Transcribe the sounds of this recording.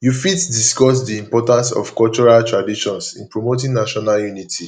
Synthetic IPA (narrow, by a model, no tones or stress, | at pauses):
jufitdiskɔs̬diĩmpɔtãnsɔ̰fkɔlt͡ʃɔɹaltɹadiʃɔ̃nsḭ̃npɹomotĩŋnaʃɔnaljunitʰi